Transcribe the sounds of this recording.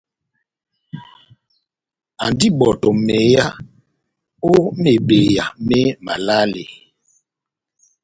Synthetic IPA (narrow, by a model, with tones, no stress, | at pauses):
a˨ndi˦bɔ˨tɔ˨me˨˦ja˦ | o˦me˨be˨ja˨mɛ˦ma˨la˦le˨